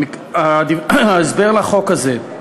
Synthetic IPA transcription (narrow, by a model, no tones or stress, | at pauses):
mik | ad̪ivaezbeʁlaχokaze